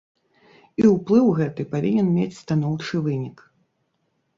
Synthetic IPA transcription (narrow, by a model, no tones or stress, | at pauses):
iwplˠɨwɣɛt̪ɨpavʲinʲɛnmʲet͡sʲst̪anɔwt͡ʂɨvɨnʲik